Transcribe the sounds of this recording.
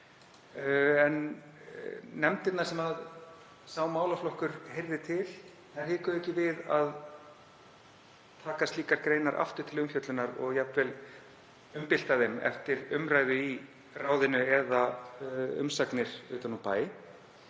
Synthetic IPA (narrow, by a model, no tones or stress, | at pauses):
ɛn | ɛmt̪ɪt̪nḁsɛmað | saːwmaːwlaflɔhkʏɾhejɾðɪt̪ʰɪl | θḁhɪːkʏɛhcːɪvɪðað | t̪ʰaːkast̪liːkaɾkɾeːjnaɾʔa̰ft̪ʏɾ̥t̪ʰɪlʏmfjœt̪lʏnaɾɔ̰ɣjapvɛl | ʏmpɪl̥t̪aðemɛ̰ft̪ɪɾʏmɾaːjðʏi | raːwðɪnʏɛða | ʏ̰msaknɪɾ̥ʏːt̪anɔpaːjɪ